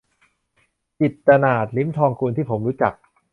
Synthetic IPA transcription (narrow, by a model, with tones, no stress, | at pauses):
t͡ɕi˨˩t̪̚ka˧naː˨˩t̪̚li˦˥mt̪ʰɔː˧ŋkʰuː˧nt̪ʰiː˥˩pʰo˩˦mɾuː˦˥t͡ɕa˨˩k̚